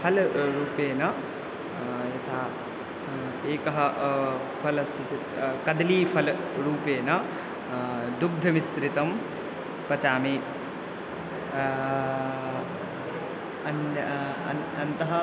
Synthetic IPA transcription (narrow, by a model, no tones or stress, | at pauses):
pʰɐlɾuːpeːnɐ | jɐt̪ʰaː | eːkɐɦɐ | pʰɐlɐst̪ʰit͡ʃɐt̪kɐd̪liːpʰɐlɾuːpeːnɐ | d̪uɡ̚d̪ʱɐmisɾit̪ɐm | pɐt͡ʃaːmeː | ɐnɐɐnt̪ɐɦɐ